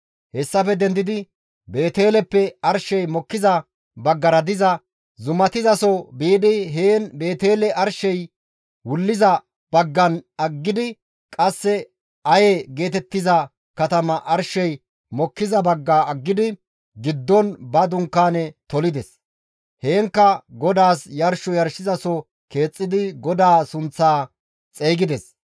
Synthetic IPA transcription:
hɛsːɐfɛd̪ɛnd̪ɪd̪ɪ | be̞ːt̪e̞ːlɛpːɛɐɾʃɛjmɔkːɪzɐ | bɐɡːɐɾɐd̪ɪzɐ | zʊmɐt̪ɪzɐsɔbiːd̪ɪɦeːnbe̞ːt̪e̞ːlɛʔɐɾʃɛj | wʊlːɪzɐ | b̥ɐɡːɐnɐɡːɪd̪ɪ | kʼɐsːɛ | ɐjɛɡe̞ːt̪ɛt̪ːɪzɐ | kɐt̪ɐmɐʔɐɾʃɛj | mɔkːɪzɐbɐɡːaːɐɡːɪd̪ɪ | ɡɪd̪ːɔnbɐd̪ʊŋkːaːnɛt̪ɔlɪd̪ɛs | heːŋkːɐɡɔd̪aːsjɐɾʃɔjɐɾʃɪzɐsɔ | ke̞ːt͡sʼːɪd̪ɪɡɔd̪aːsʊnt͡sːaː | t͡sʼeːɡɪd̪ɛs

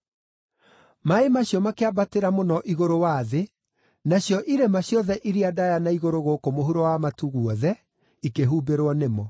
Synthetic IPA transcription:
maemaɕjɔmakeabateɾamonɔʔiɣoɾowaðe | naɕjɔʔiɾemaɕjɔðɛʔiɾiadajanaiɣoɾoɣoːkomoɦuɾɔwamatuɣwɔðɛ | ikeɦuːbeɾwɔnemɔ

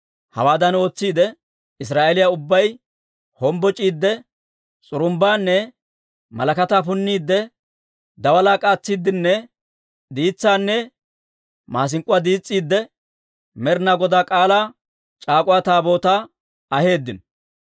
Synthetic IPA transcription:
hɐ̰waːd̪ɐno̞ːt͡sːiːd̪ɛ | ɪs̬ɾaːelɪjaʊbːɐj | hɔmbɔt͡ʃʼiːd̪ːɛ | t͡sʼʊɾʊmbaːnːɛ | mɐ̰lɐkɐt̪aːpʊnːiːd̪ːɛ | d̪ɐwɐlaːkʼaːt͡sːiːd̪ːɪnːɛ | d̪iːt͡sːaːnːɛ | maːs̬ɪŋkʼʊwaːd̪iːt͡sʼːiːd̪ːɛ | mɛɾnaɡɔd̪aːkʼaːlaː | t͡ʃʼaːkʼʊwaːt̪aːbo̞ːt̪aː | ɐhe̞ːd̪ːɪn

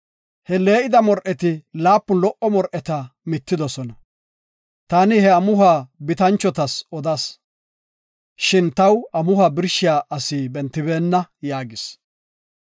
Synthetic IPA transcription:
hɛle̞ːʔɪd̪ɐmɔɾʔɛt̪ɪlaːpːʊlɔʔɔmɔɾʔɛt̪ɐmɪt̪ːɪd̪ɔsɔnɐ | t̪aːnɪhɛɐmʊhaːbɪt̪ɐnt͡ʃːɔt̪ɐsɔd̪ɐs | ʃɪnt̪ɐwɐmʊhaːbɪɾʃɪjaːʔɐsiːbɛnt̪ːɪbeːnːɐjaːɡɪs

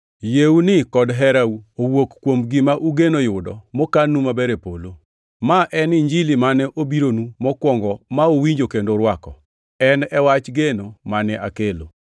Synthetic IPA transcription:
jeunɪkɔdɦɛɾauowokkːwomɡɪmaʔuɡenojʊdɔ̰mɔkanumabɛɾepolo | maʔɛniɲd͡ʒilimanɛʔobiɾonumɔkwɔŋɡɔmaowiɲd͡ʒokendoɾwakɔ̰ | ɛnɛwat͡ʃɡenomanɛʔakelo̰

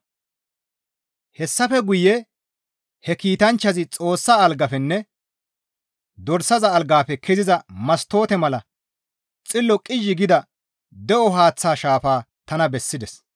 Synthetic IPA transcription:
hɛsːɐfɛɡʊjɛ | hɛkiːt̪ɐnt͡ʃːɐzɪt͡sʼo̞ːsːaːlɡɐfɛnːɛ | d̪ɔɾsɐzɐːlɡaːfɛkʰɛzɪzɐmɐst̪o̞ːt̪ɛmɐlɐ | t͡sʼɪlːɔkʼɪʒːɪɡɪd̪ɐ | d̪ɛʔɔɦaːt͡sːaːʃaːfaː | t̪ɐnɐbɛsːɪd̪ɛs

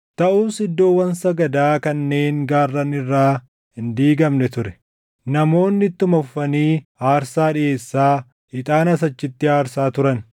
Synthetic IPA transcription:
t̪ɐʔuːsɪd̪ːo̞ːwːɐnsɐɡɐd̪aːkɐnːe̞ːŋɡaːrːɐnɪrːaː | hɪnd̪iːɡɐmnɛt̪ʊɾɛ̥ | nɐmo̞ːnːɪt̪ːʊmɐffɐniːaːɾsaːᶑɪje̞ːsːaː | ɪt̪ʼaːnɐs̬ɐt͡ʃːɪt̪ːɪaːɾsaːt̪ʊɾɐn

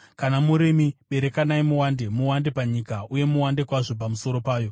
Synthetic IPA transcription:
kanamuɾemiɓe̞ɾekanaimuwande̞muwande̞paɲikauje̞muwande̞kwaʐo̞p̬amuso̞ɾo̞paːjo̞

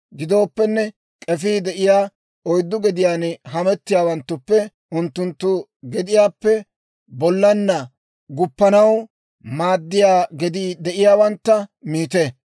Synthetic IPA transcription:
ɡɪd̪o̞ːpːɛnːɛ | kʼɛfiːd̪ɛʔɪjaː | ɔjd̪ːʊɡɛd̪ɪjaːnɦɐmɛt̪ːɪjaːwɐnt̪ːʊpːɛ | ʊnt̪ːʊnt̪ːʊ | ɡɛd̪ɪjaːpːɛ | bɔlːɐnːɐ | ɡʊpːɐnɐw | maːd̪ːɪjaːɡɛd̪id̪ɛʔɪjaːwɐnt̪ːɐmiːt̪e

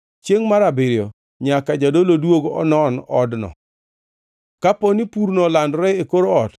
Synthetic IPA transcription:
t͡ʃjeŋmaɾabeɾjo | ɲakad͡ʒadolodwoɡɔ̰nɔnɔdnɔ̰ | kaponipuɾnɔlandɾɛekoɾoɔt

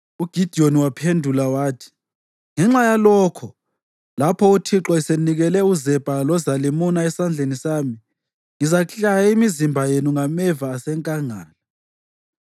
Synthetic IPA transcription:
uɡ̥ʱid̥ʱioniwapʰendʱulawaːtʰi̥ | ŋɛŋ͡ǁajalɔːkʰɔ | lapʰɔutʰiǁɔɛseniɣɛlɛuzɛpʼalɔzalimunaɛsand͡ɮʱenisaːmi | ŋizakɬajaimizimbʱajenuŋamɛvaːsɛŋkʼaŋaːla

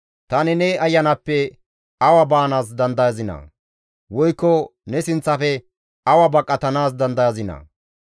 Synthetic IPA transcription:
t̪ɐnɪnɛɐjːɐnɐpːɛ | ɐwɐbaːnaːs̬d̪ɐnd̪ɐjɐzɪnɐ̰ | wɔjkːɔnɛsɪnt͡sːɐfɛ | ɐwɐbɐkʼːɐt̪ɐnaːs̬d̪ɐnd̪ɐjɐzɪnɐ̰

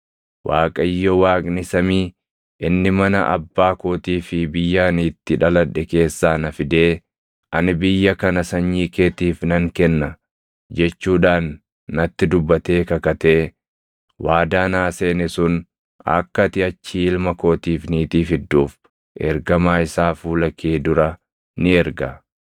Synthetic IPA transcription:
wʔaːkʼɐjːɔwaːkʼnɪsɐmiː | ʔɪnːɪmɐnɐ̰ʔɐ̰bːaːkoːt̪iːfɪbɪjːaːniːt̪ːɪᶑɐlɐᶑːɛke̞ːsːaːnɐfɪd̪eː | ʔɐnɪbɪjːɐkɐnɐsɐɲːiːkeːt̪iːfnɐŋkɛnːɐ | d͡ʒɛt͡ʃːuːᶑaːnː | ɐt̪ːɪd̪ʊbːɐt̪e̞ːkɐkɐt̪e̞ː | wʔaːd̪aːnaːseːnɛsʊn | ɐ̰kːɐt̪ɪɐt͡ʃːiːɪlmɐko̞ːt̪iːfniːt̪iːfɪd̪ːuːf | ʔɛ̰ɾɡɐmaːɪsaːfuːlɐkʰeːd̪ʊɾɐ | nɪɛɾɡɐ

